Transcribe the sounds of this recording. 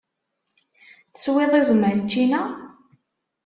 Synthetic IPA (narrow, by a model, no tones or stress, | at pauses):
θə̥sweðˤizməɾt͡ʃːinæ